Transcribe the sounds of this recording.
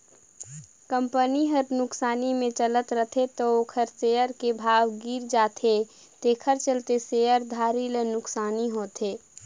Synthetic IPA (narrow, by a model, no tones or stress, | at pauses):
kə̃mpəniɦəɾnʊksaːnimẽt͡ʃələt̪ɾət̪ʰet̪ooːkʰəɾseːjəɾkebʱaːwɡiːɾd͡ʒaːt̪ʰe | t̪eːkʰəɾt͡ʃəlt̪eseːjəɾd̪ʱaːɾilenʊksaːniɦoːt̪ʰeː